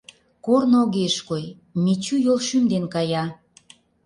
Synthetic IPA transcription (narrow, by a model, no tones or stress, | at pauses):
kornoɣeʃkoj | mit͡ɕyjolʃymd̪enkɑjɑ